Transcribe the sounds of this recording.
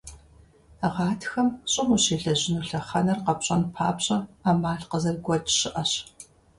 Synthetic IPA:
ʁɑːtʰxɐmɕʼɪmuɕeːɮɐʑɪnuːɬɐχɐnɐrqɐpɕʼɐnpʰaːpɕʼɐaːmaːɮqəzɐrɡʷɔt͡ʃʼɕɪʔɐɕ

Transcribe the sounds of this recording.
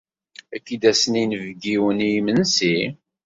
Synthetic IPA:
ækːid̪æsəninəvɡiwənimənsi

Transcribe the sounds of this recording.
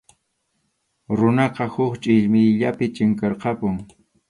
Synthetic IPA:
ɾʊnɑqɑhʊχt͡ʃʼɪʎmɪjʎapɪt͡ʃɪŋkɑɾqɑpʊŋ

